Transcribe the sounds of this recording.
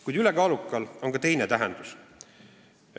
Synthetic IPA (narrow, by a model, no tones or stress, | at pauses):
kujd̪̥ylɛkɑːlukːˑɑlo̞ŋkɑt̪e̞jnet̪æɦɛ̰nd̪̥us